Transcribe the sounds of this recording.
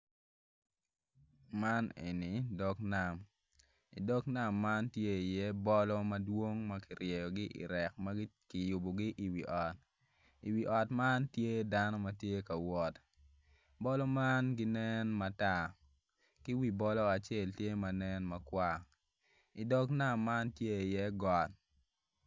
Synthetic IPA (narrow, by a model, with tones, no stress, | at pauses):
ma˦nḛ˨ni˨dɔ˦kna˨m | ḭ˨dɔ˦kna˦˨mːa˦ntje˦i˨jɛ˦bɔ˦lɔ˦mɐdwo˦ŋma˦kɪ˨ɾjɛ˨jɔ˨ɡɪ˦ʔḭ˨ɾɛ˨k̚ma˦kɪ˨jʊ˨bɔ˨ɡɪ˦ʔi˨wi˨ʔɔ˨t̚ | i˨wi˨ʔɔ˨tma˦ntje˦da˦nɔ˦mɐ˦tje˦ka˨wɔ˦t | bɔ˦lɔ˦ma˦nɡɪ˦nɛ˦nma˨ta˨ | kɪ˦wi˨˦bɔ˦lɔ˦a˨t͡ʃe˦˨ltje˦ma˨nɛ˦nmɐ˦kwa˦ | i˨dɔ˦kna˦mːa˦ntje˦i˨jɛ˦ɡɔ˨t